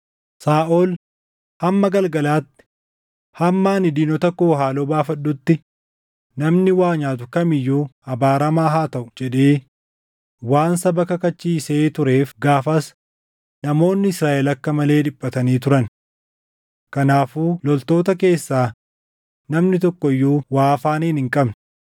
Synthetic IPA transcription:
saːʔol | hɐmːɐɡɐlɡɐlaːt̪ːɪ̥ | hɐmːaːnɪd̪iːnɔt̪ɐkoːɦaːloːbaːfɐɗːʊt̪ːɪ | nɐmnɪwaːɲaːt̪ʊkɐmɪjːuːɐbaːɾɐmaːɦaːt̪ɐʔʊd͡ʒɛᶑe̞ː | waːnsɐbɐkɐkɐt͡ʃːiːse̞ːt̪ʊɾe̞ːfɡaːfɐs | nɐmo̞ːnːɪɪsɾaːʔɛlɐkːɐmɐle̞ːdɪpːɐt̪ɐniːt̪̬ʊɾɐn | kɐnaːfuːlɔlt̪o̞ːt̪ɐke̞ːsːaː | nɐmnɪt̪̬ɔkːɔɪjːuːwaːfaːniːnhɪŋkʼɐbn

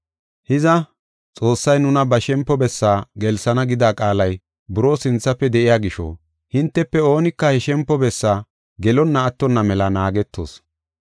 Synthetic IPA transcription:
hɪzɐ | t͡sʼo̞ːsːɐjnʊnɐbɐʃɛmpːɔbɛsːaːɡɛlsɐnɐɡɪd̪aːkʼaːlɐj | bʊɾoːsɪnt͡sːɐpːɛd̪ɛʔɪjaːɡɪʃo̰ː | hɪnt̪ːɛpːɛo̞ːnɪkːɐhɛʃɛmpːɔbɛsːaː | ɡɛlɔnːɐːt̪ːɔnːɐmɛlɐnaːɡɛt̪ːo̰ːs

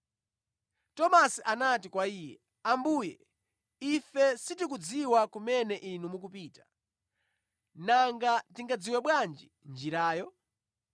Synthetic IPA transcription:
tɔmasiʔanatikwaiːjɛ̰ | ambuːjɛ | ifɛsitik̬ud͡ziwakumɛnɛʔinumuk̬upiːtḁ | naŋɡatiŋɡad͡ziwɛɓwand͡ʒi | nd͡ʒiɾaːjɔ

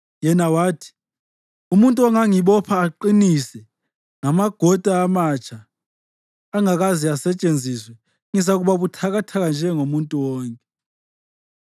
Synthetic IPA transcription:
jɛnawaːtʰi̥ | umuntʼuɔŋaŋiɓɔpʰaːǃinisɛ | ŋamaɡ̥ʱɔd̥ʱaːmat͡ʃʰʼa | ŋaɣaziasɛt͡ʃʼend͡zʱiswɛ | ŋizaɣuβaβutʰaɣatʰaɣand͡ʒʱɛŋomuntʼuwɔːŋkʼɛ

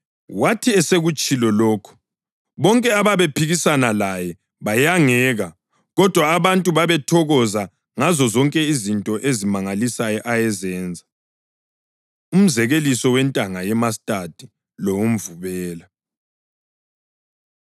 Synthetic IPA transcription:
watʰiɛseɣut͡ʃʼilɔlɔːkʰɔ̥ | βɔŋkʼɛaβaβepʰiɣisanalajɛ | βajaŋɛːɣa | ɣɔd̥ʱwaːβantʼuβaβɛtʰɔɣɔza | ŋazɔzɔŋkʼɛizintʼɔʔezimaŋalisajɔʔajɛzɛːnd͡zʱa | um̩zɛɣelisɔwɛntʼaŋajɛmas̬tʼad̥ʱi | lɔwum̩vuβɛːla

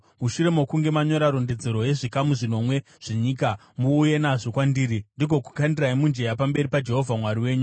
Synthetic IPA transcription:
muʃuɾe̞mokuŋɡe̞maɲo̞ɾaɾo̞nde̞d͡zeɾo̞je̞ʐikamuʐino̞mwe̞ | ʐ̥eɲiːka | muːje̞naʐo̞kwandiːɾindiɡʱo̞ku̥kandiraimund͡ʒe̞japambe̞ɾipad͡ʒe̞ɦo̞vʱamwaɾiwe̞ːɲu

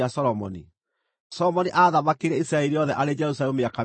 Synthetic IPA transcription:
asɔɾɔmɔ̰nḭ | sɔɔmɔniʔaðamakeɾɛisiɾaɛɾiɔðɛʔaɾed͡ʒɛɾus̬alɛmeaka

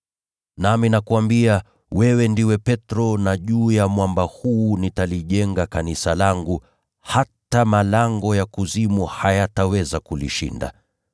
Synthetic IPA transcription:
naminakuwambia | wɛwɛndiwɛpɛtɾɔnaʄuːjamwambahuːnitaliʄɛŋɡakanisalaŋɡu | hatamalaŋɡɔjakuzimuhajatawɛzakulḭʃḭnda̰

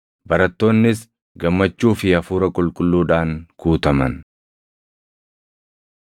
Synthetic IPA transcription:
bɐɾɐt̪ːo̞ːnːɪs | ɡɐmːɐt͡ʃːuːfɪɐfuːɾɐkʼʊlkʼʊlːuːᶑaːŋkuːt̪ɐmɐ̰n

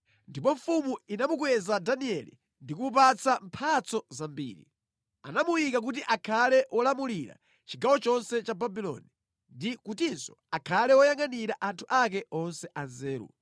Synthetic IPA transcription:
ndip̬ɔɱfumuinamuk̬wɛzadaniɛlḭ | ndikup̬at͡sam̩pʰat͡sɔzambḭːɾḭ | a̰namuwikak̬ut̬iʔakʰalɛwʔɔlamuliɾa̰ | t͡ʃiɡawɔt͡ʃɔnsɛt͡ʃababilɔ̰ni | ndikutinsɔ̥ | akʰalɛwɔjaŋaniɾaʔantʰuʔak̬ɛɔnsɛʔanzɛːɾṵ

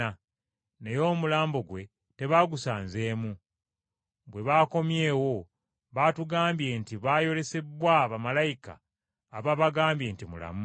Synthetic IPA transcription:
a | ne̞jo̞ːmulaːmbo̞ɡwe̞ | te̞βaɡusaːnze̞ːmu | bwe̞βaːko̞mje̞ːwo̞ | βatuɡaːmbje̞ntiβaːjo̞le̞se̞bwaβamalajika̰ː | βaβaɡaːmbje̞ːntimṵla̰mu

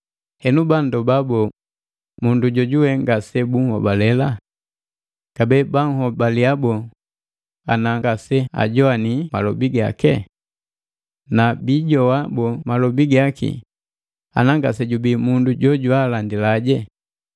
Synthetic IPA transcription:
hɛnubandɔbabɔ | munduɟɔɟuwɛŋɡasɛbuŋhɔ̰balɛla | ɡ̥abɛbaŋhɔbaliabɔ | anaŋɡasɛa̰ɟɔanimalɔbiɡa̰kɛ | nabiɟɔwabɔmalɔbiɡakḭ | a̰naŋɡasɛɟubimunduɟɔɟwalandilaɟɛ

